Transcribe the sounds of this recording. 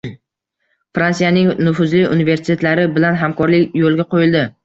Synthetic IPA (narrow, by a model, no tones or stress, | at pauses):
fɾansijanɪŋnʊfʊzlɪʊ̰nive̞ɾsɪt̪ʰet̪laɾɪbɪlanɦamkʰɒɾlɪkʲjolˠɡʲaqʰojɪlˠd̪ɪ